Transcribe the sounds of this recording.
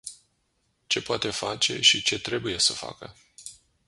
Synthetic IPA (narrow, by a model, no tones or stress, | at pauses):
t͡ʃe̞poat̪e̞fat͡ʃe̞̰ʃit͡ʃe̞t̪ɾe̞buje̞səfa̰kə̰